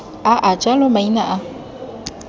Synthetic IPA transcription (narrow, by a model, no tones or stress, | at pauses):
aʔad͡ʒalomãjinaʔa